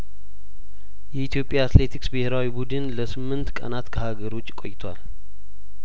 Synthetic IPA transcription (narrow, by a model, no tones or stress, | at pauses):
jɛit̪ʰijo̞pʼjaːt̪le̞t̪ʰiksbɨheɾawibud̪ɨnləsɨmːɨnt̪kʼə̰nat̪kʰəhaɡəɾo̞t͡ʃʼːkʼo̞̰jt̪ʰwal